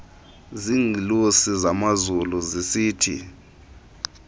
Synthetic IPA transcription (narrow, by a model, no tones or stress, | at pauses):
ziŋilusizamazuluzisiːtʰḭ